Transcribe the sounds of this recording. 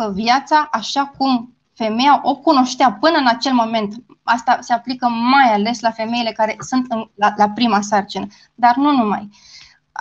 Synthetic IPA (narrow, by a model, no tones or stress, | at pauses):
əvjat̪saʔaʃakum | fe̞me̞jaʔo̞kuno̞ʃt̪eapɨnəɨnat͡ʃe̞lmo̞me̞nt̪ | ast̪ase̞aplikəmajale̞slafe̞me̞ile̞kaɾe̞sunt̪ɨnlalapɾimas̬art͡ʃinə | d̪arnunuma̰j